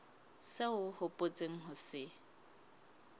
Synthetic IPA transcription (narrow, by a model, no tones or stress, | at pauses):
seʊhʊpʼot͡sʼeŋ̩ɦʊsɪ